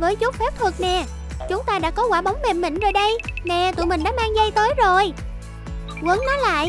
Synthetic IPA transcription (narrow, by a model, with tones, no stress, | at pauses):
vəː˨˦jzʊ˦˥p̚fɛː˦˥p̚t̪ʰɨ˨˩k̚mɛ̰˨ | t͡ɕʊ˨˦ŋ͡mt̪aː˧ɗa̰ː˧˥kɔ˨˦kwaː˧˩ɓə˨˦wŋ͡mmɛ˨˩mːï˧˩ŋ̟zo˨˩jɗə˧jmɛ̰˧˨t̪ṵ˧˨mï˨˩ŋ̟ɗa̰ː˧˥maː˧ŋzə˧jt̪əː˨˦jzo˨˩j | kwə˨˦ŋnɔ˨˦jla̰ː˧˨j